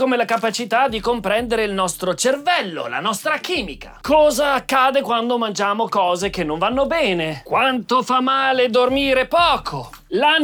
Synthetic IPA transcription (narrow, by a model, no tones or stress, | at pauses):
komelakapat͡ʃit̪ad̪ːikompɾɛnd̪eɾeilnɔst̪ɾot͡ʃervɛlːo̰la̰nɔst̪ɾakiːmika̰kɔːzaːkːaːd̪ekwand̪omand͡ʒaːmokɔːzekenːõɱvanːobɛːnekwant̪ofamːaːled̪ormiːɾepɔːkʰo | la